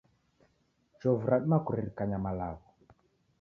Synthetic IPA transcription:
t͡ʃɔvuɾaɗimakuɾiɾikaɲamalaβɔ

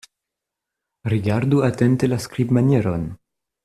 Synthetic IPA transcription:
ɾiɡaɾduatentelaskɾibmanjeɾon

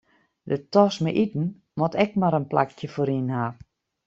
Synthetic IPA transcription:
dətɔsməʔitn̩ | mɔtɛk̚maɾənpla̰kjəfoːɾinha

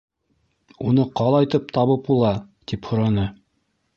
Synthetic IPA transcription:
unɤqɑlˠɑjt̪ɤp̚t̪ɑβɤp̚bulˠɑt̪iphŏɾɑnɤ

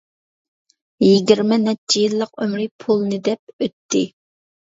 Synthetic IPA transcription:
jiɡʲiɾmɪnɛɪjilˠːəq̚ømɾɪpʰulˠnɨd̪ɛp̚øt̪ʰːɪ

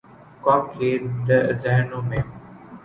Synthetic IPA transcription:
kɔːkeːd̪əzɛɦnomẽː

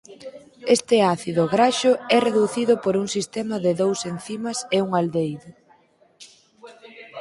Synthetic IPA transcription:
est̪ɪaθiðʊɣɾaʃʊɛreðuθiðʊpoɾuŋsist̪emɐðɪðowsen̟θimɐseuŋald̪ejðʊ

